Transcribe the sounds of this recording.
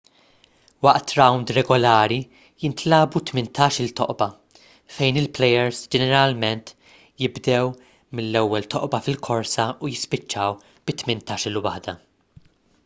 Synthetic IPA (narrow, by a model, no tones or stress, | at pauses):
wɐʔt̪ɾɐwnd̪ɾɛɡɔlɐːɾi | jɪnt̪lɐːbut̪mɪnt̪ɐːʃɪlt̪ɔ̰ʔbɐ | fɛjnɪlplɛjɛɾsd͡ʒɛnɛɾɐlmɛnt̪ | jɪbd̪ɛw | mɪlːɛwːɛlt̪ɔʔbɐfɪlkʰɔɾsɐujɪspɪt͡ʃːɐw | b̥ɪt̪mɪnt̪ɐːʃɪlwɐħd̪ɐ